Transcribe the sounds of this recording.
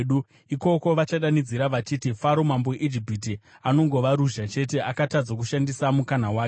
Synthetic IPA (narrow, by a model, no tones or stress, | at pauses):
ɗu | iko̞ko̞ʋat͡ʃaɗanid͡ziɾaʋat͡ʃitifaɾo̞mamboeʔid͡ʒipiti | ano̞ŋɡo̞ʋaɾuʒat͡ʃe̞t̬e̞ʔakatad͡zak̬uʃandisamukanawaː